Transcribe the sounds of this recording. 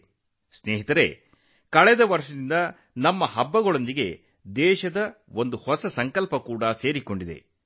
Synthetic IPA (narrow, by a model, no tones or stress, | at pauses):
sneːɦit̪ɐɾe̞ | kɐɭɛd̪ɐʋɐɾʂɐd̪ind̪ɐ | nɐmːɐɦɐbːɐɡɔɭond̪iɡe̞ | d̪ɛːʃɐd̪ɐo̞nd̪uhɔsɐsɐŋkɐlpɐkuːɽɐse̞ːɾiko̞ɳɖid̪e̞̰